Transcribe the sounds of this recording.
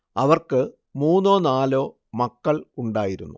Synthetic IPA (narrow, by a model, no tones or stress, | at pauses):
ɐʋɐrkɨ | muːnːo̞ːnaːlo̞ː | mɐkːɐɭuɳɖaːjiɾunːu